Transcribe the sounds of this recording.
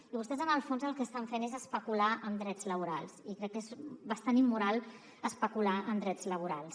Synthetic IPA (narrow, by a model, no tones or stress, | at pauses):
iβust̪ɛzənəlˠfonzəlˠkəst̪aɱfenezəspəkulaəmd̪ɾɛdd͡zləβ̞uɾalˠsikɾɛkːezbəst̪animːuɾalˠ | əspəkulaənd̪ɾɛdd͡zləβ̞uɾalˠs